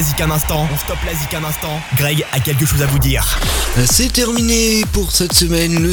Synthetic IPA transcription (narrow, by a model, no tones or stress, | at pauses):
zikɛ̃nɛ̃st̪ɑ̃ɔ̃st̪ɔplazikɛ̃nɛ̃st̪ɑ̃ɡʁɛɡakʲɛlk̬əʃozavud̪iːʁsɛt̪ɛʁminepuʁsɛt̪səmɛnlə